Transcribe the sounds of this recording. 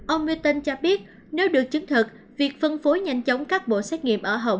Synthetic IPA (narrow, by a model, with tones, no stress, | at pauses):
ʔə˧wŋ͡mmi˧t̪ə˧nt͡ɕɔ˧ɓi˦˥ət̚ | ne˨˦wɗɨ˨˩ək̚t͡ɕɨ˨˦ŋt̪ʰɨ˨˩k̚ | vi˨˩ək̚fə˧nfo˨˦jɲa˧˩jŋ̟t͡ɕə˨˦wŋ͡mkaː˦˥k̚ɓo̰˧˨sɛ˦˥t̚ŋḭ˧˨əmʔəː˧˩ɦə˧˩wŋ͡m